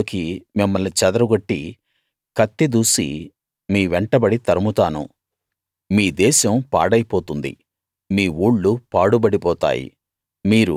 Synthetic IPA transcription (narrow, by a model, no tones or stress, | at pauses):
kimimːɐlnit͡ʃɐd̪ɐɾɐɡoʈːi | kɐt̪ːid̪uːsḭ | miːʋɛɳʈɐbɐɽit̪ɐɾɐmut̪aːnṵ | miːd̪ɛːʃɐmpa̰ːɽɐjpoːt̪und̪ḭ | miːuːɭːupaːɽubɐɽipɔːt̪a̰ːjḭ | miːɾu